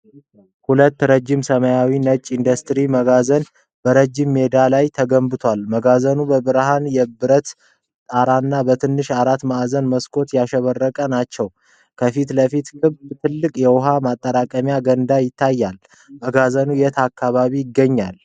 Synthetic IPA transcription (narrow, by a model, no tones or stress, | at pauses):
hulət̪ːɾəd͡ʒːɪmsəmajawinət͡ʃʼːind̪ust̪ɾiməɡazən | bəɾəd͡ʒimːe̞d̪alajt̪ʰəɡəmbɨt̪ʰwalməɡazənubəbɨɾɦanjɛbɨɾət̪ | t̪ʼaɾanːabət̪ʰɨnːɨʃaɾat̪ːmaʔzənməskʰʼo̞t̪jaʃɛβərːəkʼənat͡ʃːɛw | kʰəfit̪ləfit̪kɨβbt̪ʰɨlːɨkʼjɛwʊɦamat̪ʼːəɾakʼəmjaɡənd̪ajɪt̪ʰːajːal | məɡazənujɛt̪ʰakʰːaβaβijɪɡːəɲːal